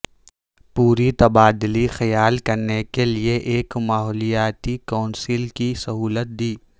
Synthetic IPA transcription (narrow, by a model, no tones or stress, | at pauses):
puːɾit̪ɐbaːd̪ɪlixɐjaːlkɐɾnekelieʔeːkmaːɦɔːlijaːt̪ikaːʊnsilkisɐɦuːlət̪̚d̪iː